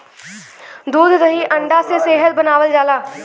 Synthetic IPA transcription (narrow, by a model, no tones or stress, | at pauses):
d̪uːd̪ɾəɦiːʔə̃ɳɖaːseseːɦəlbənaːʋəld͡ʒaːlaː